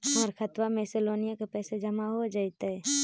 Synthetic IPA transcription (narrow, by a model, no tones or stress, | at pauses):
ɔːɾkʰət̪wameːsɪloːnijakepɛːsed͡ʒəmaɦod͡ʒait̪eɦɛ